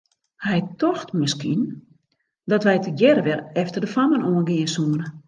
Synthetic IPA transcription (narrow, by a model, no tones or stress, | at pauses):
hɛjtɔxtmɪskin | dɔtʋɛjtʰəjɛɾəʋɛlˠɛftərdəfamənoːənɡɪənsuənə